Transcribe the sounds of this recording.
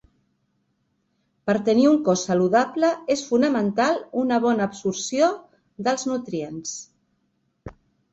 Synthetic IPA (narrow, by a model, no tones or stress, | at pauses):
pəɾt̪əniuŋkɔsːəluðapləesfunəmənt̪alunəβ̞ɔnəːpsuɾsio | ðəlˠznut̪ɾiens